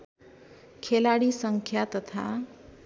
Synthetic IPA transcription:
kʰelaɽisʌŋkʰjat̪ʌt̪ʰa̰

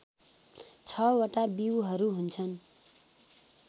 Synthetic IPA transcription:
t͡sʰʌwʌʈabiwɦʌɾuɦunt͡sʰʌn

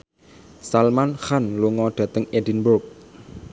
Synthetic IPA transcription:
salmanxanluŋɔɖ̪̥ä̤t̪əŋedinbʊrk̚

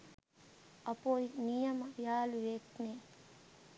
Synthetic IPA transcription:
ɐpojnijəmjaːluʋekne

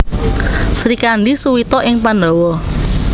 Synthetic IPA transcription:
sɾikanɖisuwit̪ɔʔɪŋpandɔwɔ

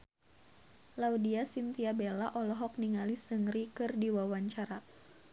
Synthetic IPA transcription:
laudiasint̪iabelaʔɔlɔɦɔk̚niŋalisəŋɾikɨrdiwawaɲt͡ʃaɾa

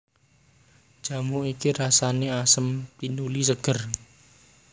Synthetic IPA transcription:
ʒ̥a̤moikiɾasaneasəmpinulisəɡ̥ə̤r

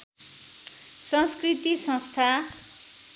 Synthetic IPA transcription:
sʌ̃nskrit̪isʌ̃st̪ʰa

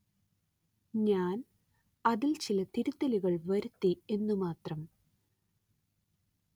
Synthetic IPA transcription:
ɲaːn | ɐðilt͡ɕilɐt̪iɾut̪ːɐliɣɐɭʋɐɾut̪ːie̞nːumaːt̪rɐm

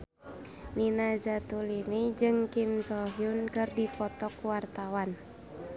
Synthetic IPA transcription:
ninazat̪ulinid͡ʒɨŋkimsɔɦjunkɨrdipɔt̪ɔkuwart̪awan

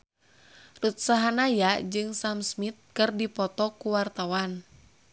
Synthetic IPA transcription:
rut̪̚saɦanajad͡ʒɨŋsamsmit̪̚kɨrdipɔt̪ɔkuwart̪awan

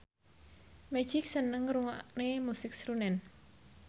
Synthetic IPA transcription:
mɛ̥d͡ʒ̥ik̚sənəŋɾuŋaʔnemusɪk̚sɾunɛn

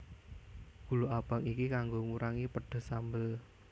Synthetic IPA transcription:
ɡ̥ṳloʔab̥a̤ŋikikaŋɡoŋuɾaŋipəɖ̥ə̤sambəl

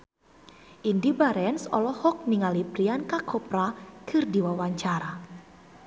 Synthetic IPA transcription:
ʔindibaɾɛnsɔlɔhɔk̚niŋalipɾiankakʰɔpɾakʰɨrdiwawaɲt͡ʃaɾa

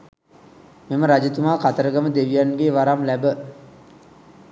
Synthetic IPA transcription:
meməɾad͡ʒət̪umaːkat̪əɾəɡəməd̪eʋijanɡeːʋaɾamlæbə

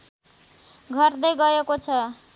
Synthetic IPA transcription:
ɡʱʌrd̪ʌjɡʌekot͡sʰʌ

